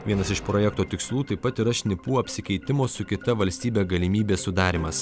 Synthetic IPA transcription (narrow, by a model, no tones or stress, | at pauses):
ʋʲiɛnɐsɪʃpɾojɛkt̪oːt̪ʲɪkslˠuːt̪ɐɪpɐt̪iɾɐʃʲnʲɪpuːɐpʲsʲɪkʲɛɪt̪ʲɪmoːsʊkʲɪt̪ɐʋɐlʲsʲt̪ʲiːbʲeːɡɐlʲɪmʲiːbʲeːsʊd̪ɑːɾʲɪmɐs